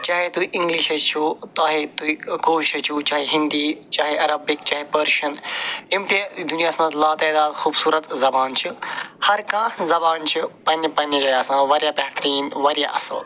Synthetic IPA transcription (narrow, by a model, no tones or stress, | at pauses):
t͡ʃaːɦet̪uiʔɪ̃ŋɡliʃɐt͡ʃʰut̪aːɦet̪uikoːʃɐt͡ʃʰut͡ʃaːɦiɦɪ̃nd̪iːt͡ʃaːɦeʔɐɾɐbɪkt͡ʃaːɦepɐɾʃɐnimt̪ed̪unijaːsmɐt̪laːt̪ɛːd̪aːd̪xuːbsuːɾɐt̪zɐbaːnt͡ʃʰihɐɾkãːzɐbaːnt͡ʃʰipɐnpɐnid͡ʒaːjaːsãːʋɐɾjaːbeɦt̪ɾiːnʋɐɾja̰ːʔɐsɐl